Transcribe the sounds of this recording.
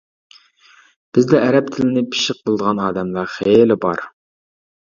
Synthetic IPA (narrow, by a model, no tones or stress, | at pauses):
b̥ɪzd̪ɛːɾɛp̚t̪ʰɪlɪnɪpʰi̥ʃɪq̚bəlˠɨd̪əʁɑnɑːd̪ɛmlˠɑχelɪbɑ̰ɾ